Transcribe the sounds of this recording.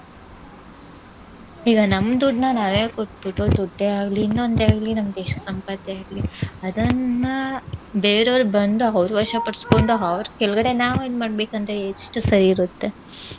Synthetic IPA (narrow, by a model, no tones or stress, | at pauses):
iːɡɐnɐmːd̪uɖnɐnaːʋeːkoʈ̚biʈːod̪uɖːeaːɡliːnːond̪eaːɡlinɐmːɐd̪eːʃɐsɐmpat̪jɛaːɡliɐd̪ɐnːɐbeːɾɐʋɾubɐnd̪uɐʋɾuʋɐɾʂɐpɐɽsko̞ɳɖuɐʋɾukɛlɡɐɽe̞naːʋad̪maːɽbe̞ːkɐnd̪ɾeʂʈːusɐɾiːɾut̪ːe̞